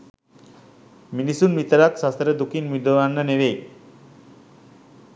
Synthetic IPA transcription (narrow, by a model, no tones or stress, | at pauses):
minisunmit̪əɾaksast̪ɾəd̪ukinmud̪əʋanːəneʋej